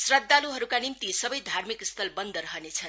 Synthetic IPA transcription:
srʌd̪ːaluɦʌɾukanimt̪isʌbʌjd̪ʱarmikst̪ʰʌlbʌnd̪ʱʌɾʌɦʌnet͡sʰʌn

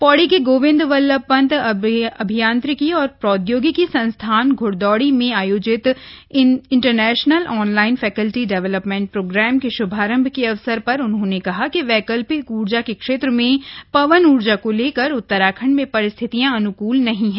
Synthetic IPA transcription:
pɔːɽikeɡoːʋɪ̃nd̪ʋɐlːəpɐ̃nt̪ɐbʱijãːnt̪ɾɪkiɔːɾpɾɔːd̪joːɡikisɐ̃nst̪ʰaːnɡʱʊɽd̪ɔːɽimẽaːjoːd͡ʒɪt̪ | ɪ̃ɳʈəɾnɛːʃnəlʔɔːnlaːɪnfɛːkəlʈiɖɛʋɛləpmɛ̃ːɳʈ̚pɾoːɡɾɛːmkeʃʊbʱaːɾə̃mbʱkeɐʋsəɾpɐɾʊnɦõnekɐɦakiʋɛːkəlpiuːɾd͡ʒakekʃeːt̪ɾəmẽpɐʋənuːɾd͡ʒakoleːkəɾʊt̪ːəɾaːkʰəɳ̃mẽpɐɾɪst̪ʰɪt̪ijãɐnʊkuːlnɐɦĩɦɛ̃ː

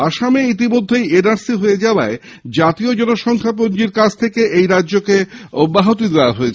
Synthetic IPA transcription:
aʃameit̪imod̪ʱːejenaɾsiɦoed͡ʑaoae | d͡ʑat̪iod͡ʑɔnoʃɔŋkʰap̬ond͡ʑiɾkat͡ɕʰt̪ʰekeʔejɾadːʑokeobːaɦot̪id̪eoaɦoet͡ɕʰe

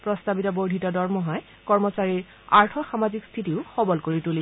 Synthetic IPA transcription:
pɹɔstabitɔbowdʱitɔdɔɹmɔɦɔj | kɔɹmɔsaɹiɹ | aɹtʰɔxamazikstʰitiʊxɔbɔlkoɹituli

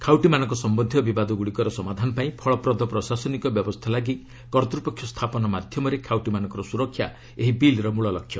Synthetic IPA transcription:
kʰawʈimanɔŋkɔsɔmbɔnd̪ʱjɔbibad̪ɔɡuɽikɔɾɔsɔmad̪ʱanɔpaĩpʰɔɭɔpɾɔd̪ɔpɾɔsasɔnikɔbjɔbɔst̪ʰalaɡi | kɔɾt̪ɾupɔkʰjɔst̪ʰapɔnɔmad̪ʱjɔmɔɾekʰawʈimanɔŋkɔɾɔsuɾɔkʰːja | eɦibilɾɔmuɭɔlɔkʰːjɔ

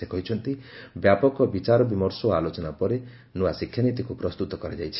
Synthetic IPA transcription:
ekɔɦit͡ʃʰɔnt̪ibjapɔkɔbit͡ʃaɾɔbimɔɾsɔalot͡ʃɔnapɔɾe | nuasikʰjanit̪ikupɾɔst̪ut̪ɔkɔɾed͡ʒajt͡ʃʰi̥

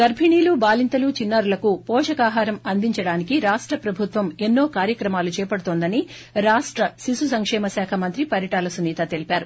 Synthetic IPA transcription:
ɡ̪ɐɾbʱiɳiːlubaːlint̪ɐlut͡ʃinːaːɾulɐkupɔːʂɐkaːɦaːɾɐmɐnd̪iɲt͡ʃɐɽaːnikiɾaːʂʈɾɐpɾɐbʱut̪ʋɐmenːo̞ːkaːɾjɐkɾɐmaːlut͡ʃɛːpɐɽut̪oːnd̪ɐni | ɾaːʂʈɾɐsisusɐŋkʂɛːmɐsɛːkʰɐmɐnt̪ɾipɐɾjɐʈaːlɐsuniːt̪ɐt̪e̞lipaːɾu

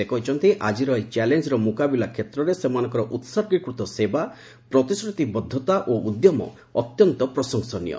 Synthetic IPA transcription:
ekɔɦit͡ʃʰɔnt̪iʔad͡ʒiɾɔet͡ʃɛlend͡ʒɔɾɔmukabilakʰet̪ɾɔɾesemanɔŋkɔɾɔʔut̪sɔɾɡɾikɾut̪ɔseba | pɾɔt̪isɾut̪ibɔd̪ʱːɔt̪aʔoud̪jɔmɔ̰ | ɔt̪jɔnt̪ɔpɾɔsɔŋsɔnḭjɔ̰

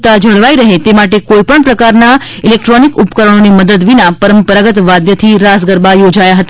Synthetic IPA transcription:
t̪ad͡ʒʱəɭʋaiɾəɦet̪emaʈekoipəɳpɾəkaɾna | ilek̚ʈɾonikupkəɾəɳ̃oniməd̪əd̪ʋinapəɾəmpəɾaɡət̪ʋad̪jət̪ʰiɾasɡəɾbajod͡ʒajaɦət̪a

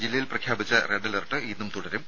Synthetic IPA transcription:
d͡ʑilːɐjilprɐkʰjaːbit͡ɕːɐreɳɖɐlɐrʈːɨiːnːumt̪uɽɐɾum

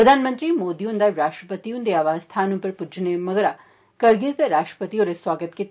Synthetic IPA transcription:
ɾəd̪ʱaːnmə̃nt̪ɾimoːd̪ijõːnd̪aɾaːʃʈɾəpət̪iõnd̪eaːʋaːzst̪ʰaːnõpɐɾpʊd͡ʒnemɐɡɾa | kɐɾɡɪzd̪eɾaːʃʈɾə̥pət̪ijoɾeswaːɡət̪ke

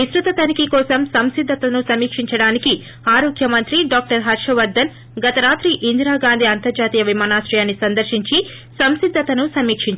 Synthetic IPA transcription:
isɾut̪ɐt̪ɐnikikɔːsɐmsɐmsid̪ʱːɐt̪ɐnusɐmiːkʂiɲt͡ʃɐɽaːniki | aːɾoːɡjɐmɐnt̪ɾiɖaːk̚ʈɐɾɦɐɾʃɐʋɐɾd̪ɐn | ɡɐt̪ɐɾaːt̪ɾiʔind̪ɾaːɡaːnd̪ʱiɐnt̪ɐɾd͡ʒaːt̪iːjɐʋimaːnaːsɾɛjaːnːisɐnd̪ɐɾʃiɲt͡ʃi | sɐmsid̪ʱːɐt̪ɐnusɐmiːkʂiɲt͡ʃ

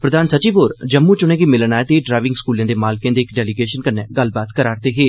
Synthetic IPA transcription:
pɾəd̪aːnsət͡ʃiːʋoːɾd͡ʒəmːuːt͡ʃʊñẽːɡiːmɪlnaːet̪eːɖɾaːʋɪ̃ŋɡskuːljãːd̪eːmaːlkẽːd̪eːkɖɛːliɡeːʃənkənːɛ̃ːɡəlbaːt̪kəɾaːɾt̪eːɦeː

